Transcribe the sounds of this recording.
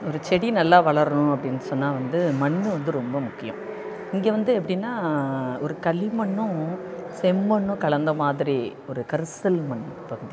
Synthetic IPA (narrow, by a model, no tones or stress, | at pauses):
ɔɾɯt͡ʃɛɽinɐlːaːʋɐɭɐɾɐnʊ̃ɐpːɐɽɪnːɯsɔnːaːʋɐnd̪ɯmɐɳːɯʋɐnd̪ɯɾɔmbɐmʊkːɪjʊ̰̃ | ɪŋɡeːʋɐnd̪ɯɛpːɐɽɪnːaːɔɾɯkɐɭɪmɐɳːʊ̃sɛmːɐɳːʊ̃kɐɭɐnd̪ɐmaːðɪɾi | ɔɾɯkɐɾɯsɐlmɐɳːɯpɐɣɯði